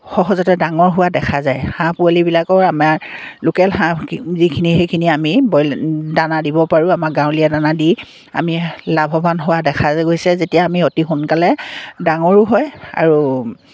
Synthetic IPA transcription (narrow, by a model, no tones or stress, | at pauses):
xɔɦɔzɔtɛdaŋɔɹɦʊwadɛkʰazajhãpʊalibilakɔɹama | lʊkɛlhãzikʰinixejkʰiniamibɔjldanadibɔpaɹuamaɡãw̃liadanadi | a̰milabʱɔbanɦʊwadɛkʰazɡojsɛzetijaːmiotixʊnkalɛdaŋɔɹʊɦɔja̰ɹu